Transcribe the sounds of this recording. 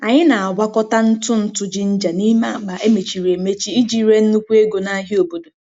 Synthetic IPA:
a˨ɲɪ˦na˨a˨ɡʷa˦kɔ˦ta˦n̩˦tʊ˦n̩˦tʊ˦d͡ʒi˦n̩˦d͡ʒa˨ni˦ma˦a˦ɡ͡ba˨ʔe˦me˨t͡ʃi˨ɾe˨me˦t͡ʃi˦i˦d͡ʒi˦ɾe˦n̩˦nu˦kʷu˦e˦ɡo˨na˦ɦɪ˦o˨bo˨do˨

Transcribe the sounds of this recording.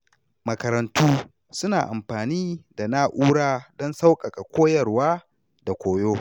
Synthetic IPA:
mɐ˨kɐ˨ɾɐ˨ntuː˦ | sʊ˦naː˨ʔa̰˨mɸaː˨niː˦da˨na˦ʔuː˦ɽaː˦dɔ˦nsa˦wkʼɐ˨kʼa˨kʷoː˦jɐ˨rwaː˦ | da˨kʷoː˨joː˦

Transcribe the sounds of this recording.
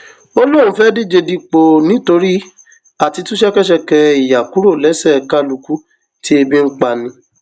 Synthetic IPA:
o˧lo˦ɾ̃ũ˨˦fɛ˦di˦˨d͡ʒe˧di˧k͡po˨nĩ˨˦to˧ɾi˦ | a˨ti˧tũ˦ʃɛ˦kɛ˦ʃ̬ɛ˧kɛ˧i˨ja˨ku˨˦ɾo˦˨lɛ˨˦sɛ˦˨ka˦lu˧ku˦ | ti˦e˧bĩ˦ŋ̩˦k͡pa˧˨nĩ˧˦

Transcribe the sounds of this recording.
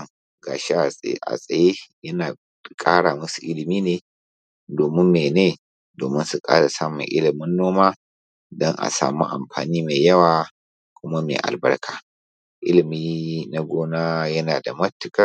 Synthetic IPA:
ŋ | ɡaː˨ʃe˦ʔʔa̰˨sʼɐ˨je˦jɐ˦naː˨ | kʼaː˦ɽa˨mʊ˦su˨ʔɪ˦lɪ˨miː˦neː˨ | doː˨mɪ˦mːeː˨neː˦ | doː˨mɪ˦nsu˨kʼa̰ː˦ɽa˨saː˦mʊ̰˨ŋʔɪ̰˦lɪ˨mʊ˦nːoː˦maː˦ | dɐ˦ŋʔa̰˨sa̰ː˨mṵ˦ʔa̰˨mɸa̰ː˨niː˦me˨jɐ˦waː˨ | kʷʊ˦ma˦mḛː˨ʔa̰˨lbɐ̰˦rkʰaː˨ | ʔɪ˦lɪ˨miː˦na˦ɡʷoː˦naː˦jɐ˦naː˨da˨mɐ˦tːɪ˨kɐ˦

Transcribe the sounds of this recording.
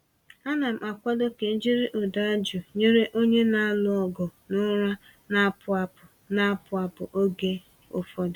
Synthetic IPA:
a˦na˨m̩˨ʔa˨kʷa˦do˦ke˨n̩˦d͡ʒi˦ɾɪ˦ʔʊ˨da˦d͡ʒu˨ɲe˦ɾe˦ʔo˦ɲe˦na˦lʊ˦ɔ˦ɡʊ˨nʊ˦ɾa˦ | na˦pʊ˨a˨ʊ˨ | na˦pʊ˨a˨pʊ˨ʔo˦ɡe˦ | ʊ̰˨fɔ˦d

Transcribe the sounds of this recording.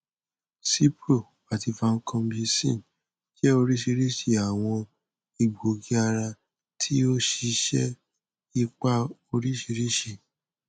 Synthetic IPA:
si˦pɾo˦˨ | a˨ti˧fa˧ŋ̩˦kʰã˧˦bi˧sḭ̃˦˨n | ʃɛ˦o˧ɾi˦ʃi˧ɾi˦ʃi˧a˨w̃ɔ̃˧ | i˨ɡ͡bo˨ɡi˦a˧ɾa˧ | tʰi˦o˦ʃi˧ʃɛ˦ | i˧k͡pa˦o˧ɾi˦ʃi˧ɾi˦ʃi˧˨

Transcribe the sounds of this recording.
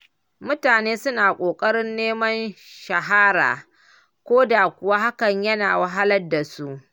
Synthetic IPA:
mʊ˦taː˨neː˦sʊ˦naː˨kʷʼoː˨kʼɐ˦ɽɪ˦nːeː˦mɐ˦nʃɐ˨ɦa˦ɾa̰ː˨ | kʷoː˦da˨kʷʊ˨wa˦ha˦kɐ˨ɲjɐ˦naː˨wɐ˨ɦa˦lɐ˦rda˨su˦ʔ

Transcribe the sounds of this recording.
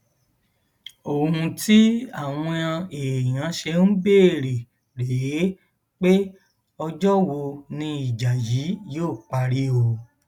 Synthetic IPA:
o˦˨ũ˧ti˦a˦˨w̃ɔ̃˧ã˧e˨j̃ã˨˦ʃe˧n̩˦be˦˨ɾe˨ | ɾe˨e˨˦ | k͡pe˦ | ɔ˧d͡ʒɔ˦wo˧nĩ˧i˨d͡ʒa˨ji˨˦joː˦˨k͡pa˧ɾi˦o˧˨

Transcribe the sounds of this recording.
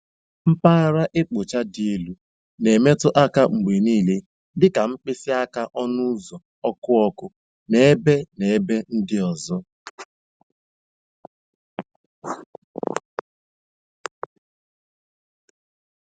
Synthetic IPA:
m̩˦paː˦ɾa˦ʔe˦k͡po˨t͡ʃa˦di˨e˨lu˦ | ne˨me˦tʊ˦ʔa˦ka˦ŋ͡m̩˨ɡ͡be˨niː˦˨le˦ | dɪ˦ka˨ŋ͡m̩˦k͡pɪ˦sɪ˦a˦ka˦ʔɔ˦nʊ˦zɔ˨ | ɔ˦kʊ˦ɔ˦kʊ˦ | ne˦e˦be˦ne˨e˦be˦n̩˦dɪ˦ɔ˨zɔ˦

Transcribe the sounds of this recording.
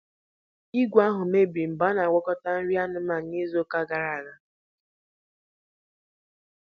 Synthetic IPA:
i˦ɡʷa˦ɦʊ˨me˦bi˨m̩˨ba˦na˨ɡʷɔ˦kɔ˦ta˦n̩˦ɾja˦nʊ˦ma˨˦i˦zo˦ka˦ɡa˨ɾa˨ɾa˦

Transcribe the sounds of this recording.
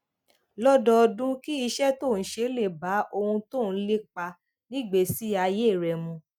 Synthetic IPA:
lɔ˦dɔ˧dũ˦ki˦i˧ʃɛ˦to˦˨n̩˨˦ʃe˧˦le˦˨ba˨˦ʔo˧hũ˧to˦˨n̩˦le˦k͡pa˧ | nĩ˦˨ɡ͡be˨si˦a˧je˦˨ɾɛ˨mũ˧

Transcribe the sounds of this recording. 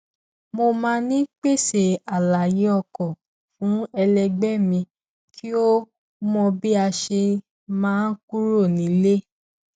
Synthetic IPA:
mo˧mãː˧˦nĩ˦k͡pe˦˨se˨a˨la˨ji˨˦ɔ˦˨kɔ˨ | fũ˨˦ɛ˧lɛ˧ɡ͡bɛ˦mĩ˧ | kʰi˦o˦ | mɔ̃˧bi˦a˧ʃe˧ | mãː˦ku˦ɾo˦˨nĩ˨˦le˦

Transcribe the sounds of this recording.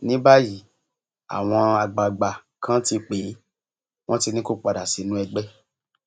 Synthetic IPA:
nĩ˨˦ba˦ji˦˨ | a̰˨w̃ɔ̃˧a˧ɡ͡ba˨ɡ͡ba˨kã˦ti˧k͡pe˨˦ | w̃ɔ̃˦ti˧nĩ˦ko˦k͡pa˧da˨si˨˦nũ˨˦ɛ˧ɡ͡bɛ˦

